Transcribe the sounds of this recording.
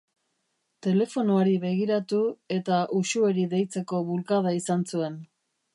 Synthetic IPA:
t̪e̞le̞fo̞noaɾiβe̞ɣ̞iɾat̪ue̞t̪aʔuʃue̞ɾiðe̞jt͡se̞ko̞βulkað̞aisansue̞n

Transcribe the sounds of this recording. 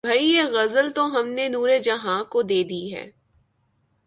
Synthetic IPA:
bʱɐieɣɐzəlt̪oɦɐmnenuːɾed͡ʒɐɦãːkod̪eːd̪iɦɛ̰ː

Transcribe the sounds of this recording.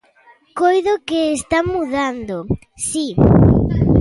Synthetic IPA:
kojðʊkeːst̪amːuðand̪ʊ | si

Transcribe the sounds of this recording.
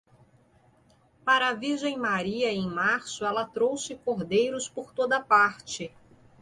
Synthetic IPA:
paɾɐːviɾʒẽj̃maɾiɐẽj̃maɾsʊɛlɐt̪ɾowsɪkoɾd̪ejɾʊspoɾt̪od̪ɐpaɾt͡ʃɪ

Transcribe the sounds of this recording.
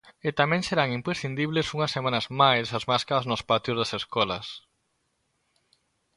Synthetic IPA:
et̪amɛ̃ŋseɾaŋimpɾesθind̪iβlesuŋɐsːemanɐzmajsɐzmaskaɾɐznʊspat̪jʊzðɐseskɔlɐs

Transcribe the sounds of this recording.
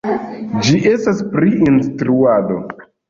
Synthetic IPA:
d͡ʒiʔe̞staspɾiʔinstɾuado̞

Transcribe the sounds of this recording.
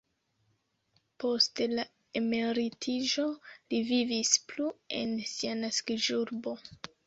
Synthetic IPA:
po̞stla | e̞me̞ɾitʰid͡ʒo̞livivisplue̞̰nsianaskid͡ʒuɾbo̞

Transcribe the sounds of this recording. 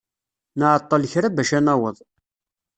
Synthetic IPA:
nəʕət̪ˤːɑlçɾabæʃænæwəðˤ

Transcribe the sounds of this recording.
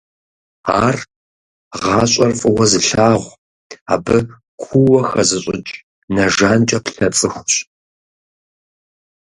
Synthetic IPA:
a̰ːr | ʁɑːɕʼɐrfʼɨwɐzɨɬaːʁʷ | a̰ːbɨ | kʷʰuwɐxɐzɨɕʼɪ̰t͡ʃʼ | nɐʒaːnt͡ʃʼɐpɬɐt͡sʼɨxʷɕ

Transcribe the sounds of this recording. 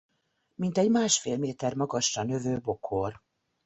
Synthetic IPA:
mint̪ɛɟmaːʃfeːlmeːt̪ɛrmɒɡɒʃːɒnø̞vøːbo̞kʰor

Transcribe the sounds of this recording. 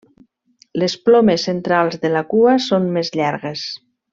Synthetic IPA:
lesplɔmesːent̪ɾalˠzðelakuasonmezʎaɾɣes

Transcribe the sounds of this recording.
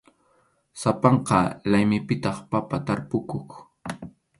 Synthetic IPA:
sapɑɴqɑlajmɪpɪt̪ɑχpapat̪aɾpʊkok

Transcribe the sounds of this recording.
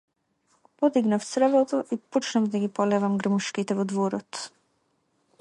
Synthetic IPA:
pɔd̪iɡnaft̪sɾvɔt̪ɔʔiput͡ʃnavd̪aɡipɔlɛvamɡɾmuʃkit̪ɛvɔd̪vɔɾɔt̪

